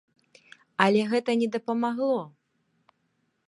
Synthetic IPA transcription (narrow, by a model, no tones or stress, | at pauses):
ɐlʲɛɣɛt̪ɐnʲɛd̪ɐpɐmaɣlˠɔ